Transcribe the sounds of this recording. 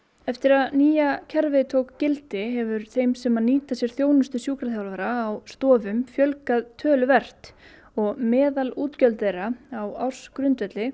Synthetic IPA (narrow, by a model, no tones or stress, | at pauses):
ɛft̪ɪɾaðniːjacʰɛɾvɪðt̪ʰowkcɪlt̪ɪɦɛvʏɾ̥θejmsɛmaniːt̪asjɛɾ̥θjoːwnʏst̪ʏsjuːkɾaθjawlvaɾaːwst̪ɔːvʏmfjœlkaðt̪ʰœːlvɛr̥t̪ | ɔɣmɛːðaluːt̪cœlt̪ðejraawawr̥skɾʏnt̪vɛt̪lɪ